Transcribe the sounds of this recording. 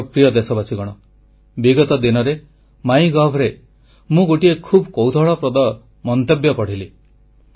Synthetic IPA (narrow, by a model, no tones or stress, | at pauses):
pɾijɔd̪esɔbasiɡɔɽ̃ɔ | biɡɔt̪ɔd̪inɔɾe | maĩɡɔɦbʰʱɾe | mũɡoʈiekʰubkɔwd̪ʱɔɭɔpɾɔd̪ɔ | mɔnt̪ebjɔpɔɽ̤ili